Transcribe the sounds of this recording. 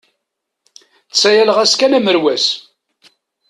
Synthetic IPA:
t͡sːæjæləʁæskænæməɾwæs

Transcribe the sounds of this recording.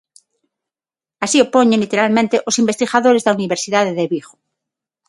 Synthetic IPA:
asiopoɲẽnlit̪eɾalmẽnt̪eʔosimbest̪iɣaðoɾezðauniβeɾsiðaðeðeβiɣo̥

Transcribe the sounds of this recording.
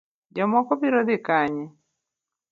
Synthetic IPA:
d͡ʒɔmɔkɔbiɾɔd̪ɪkaɲɛ

